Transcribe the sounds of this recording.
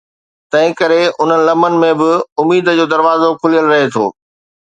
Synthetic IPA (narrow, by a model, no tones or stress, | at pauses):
t̪ɐ̃ɦɪ̃kɐɾeʊn̤ənɪ̆lɐmənɪ̆mẽbɪʊmiːd̪ə̆d͡ʑoːd̪ɐɾʋaːzokʰʊlijəlɾɐɦet̪ʰo̰ː